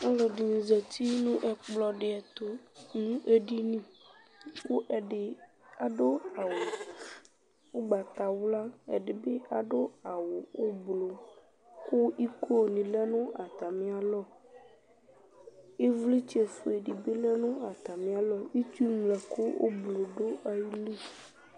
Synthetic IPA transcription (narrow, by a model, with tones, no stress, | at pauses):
a˦lɔ˨di˨nĩ˨zɛ˨t̪i˦nũ˦ʔɛ˨k͡plɔ˨ɖɪ˨ɛ˨t̪o˦nũ˦ʔe˦ɖi˦nĩ˦ | wo˦ʔɛ˨ɖɪ˨ | a˨ɖo˦a˨wo˨ | wo˦ɡ͡ba˨t̪a˨wla˦ɛ̰˨ɖɪ˨be˦ʔa˨ɖo˦a˨wo˨wo˦blo˨ | ko˦i˦kʰo˦˨nĩ˨lɛ˦nũ˦ʔa˨t̪a˨mẽ˦a˨lɔ˦˨ | e˦vle˦t͡ɕi˦e˨fo˨e˨ɖi˨be˦lɛ˦nũ˦a˨t̪a˨mẽ˨˦a˨lɔ˦i˦tu˦mlɛ˨ko˦wo̰˦blo˨ɖo˦a˨ji˦lu˦